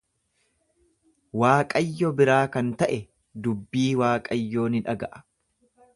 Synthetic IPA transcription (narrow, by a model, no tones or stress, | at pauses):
waːkʼɐjːɔbɪɾaːkɐnt̪ɐʔɛ | d̪ʊbːiːwaːkʼɐjːo̞ːnɪᶑɐɡɐʔɐ̥